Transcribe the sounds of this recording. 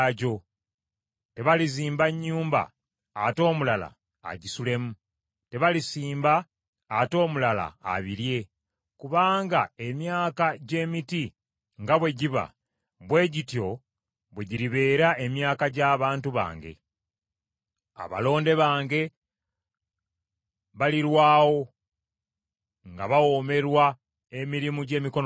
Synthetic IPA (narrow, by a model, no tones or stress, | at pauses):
ɟo̞ | te̞βaliziːmbaɲːuːmba̰ː | to̞ːmulala̰ː | ɟisule̞mu | te̞βalisiːmbaː | to̞ːmulala̰ːβiɾje̞ | kuβaːŋɡae̞mjaːkaɟe̞ːmiti | ŋɡaβwe̞ɟiβa̰ | βwe̞ːɟitjo̞ | βwe̞ɟiɾiβe̞ːɾae̞mjaːkaɟaːβaːntuβa̰ːŋɡe̞̰ | a̰βa̰lo̞ːnde̞βaːŋɡe̞ | βaliɾwaːwo̞ | ŋɡaβawo̞ːme̞ɾwa | e̞miɾimuɟe̞ːmiko̞n